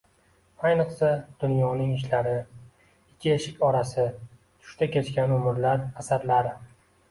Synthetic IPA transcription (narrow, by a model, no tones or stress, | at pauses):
ajnɨqsad̪̥ʊnjɒnɪŋɪʃ̬laɾɪ | ɪkʲʰːɪeʃɪkʲɒɾasɪ | t̪ʰʊ̥ʃt̪akʲe̞t͡ʃkʲanʊmɾlaɾasaɾlaɾɪ